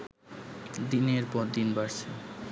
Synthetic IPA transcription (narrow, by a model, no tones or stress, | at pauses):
d̪ineɾpɔɾd̪inbaɾt͡ɕʰe